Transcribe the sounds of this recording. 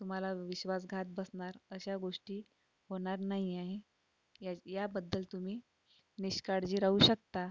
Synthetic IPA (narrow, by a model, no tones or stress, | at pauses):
t̪um̤alaʋiɕʋas̬ɡʱat̪̚bəsɳaɾəɕaɡoʂʈiː | ɦoɽ̃aɾnaɦiaɦe | jajabəd̪ːəlt̪um̤iː | niɕkaɽd͡ʑiːɾaɦuːɕəkt̪a